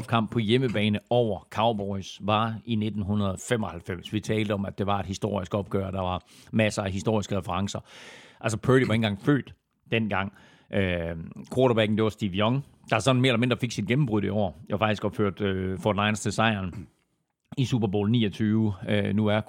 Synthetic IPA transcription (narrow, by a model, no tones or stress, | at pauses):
bkʰɑ̈m̰b̥̚pʰɒ̽jeməb̥ɛːnəɒʊ̰ɐkʰɑ̈ʊb̥ɒɪsʋɑ̈ine̝d̥n̩ɦunɐðˠfemɒ̽hælfem̰sʋit͡sʰɛːld̥əɒ̽mæd̥e̝ʋɑ̈e̝d̥hisd̥o̝ɐ̰isɡ̥ɒ̽b̥̚ɡ̥œːɐd̥ɑ̈ʋɑ̈mæsəæɦisd̥o̝ɐisɡ̥əʁɛfəʁɑ̈ŋsɐʔæls̬ɒpʰøɾiʋɑ̈e̝nɡ̥ɑ̈ŋ̰fø̰ːd̥ | d̥en̰ɡ̥ɑ̈ŋ̰ | ʔøkʰwoːɾob̥æɡ̥n̩d̥e̝ʋɑ̈sd̥iʋiɒ̽ŋ | d̥ɑ̈hɑsɒ̽d̥n̩me̝ɐelɐme̝nd̥ʁɑfe̝ɡ̥sid̥ɡ̥em̩b̥ʁuð̰ˠiɒʊ̰ɐɒfɑ̈ɡ̥d̥isɡ̥ʋɑ̈føɐ̰d̥øfɒdenɑ̈ɪnəsd̥esɑ̈ɪɐn | isub̥ɐbo̝̰ːlnḭːɐt͡sʰyːʊnuæɐ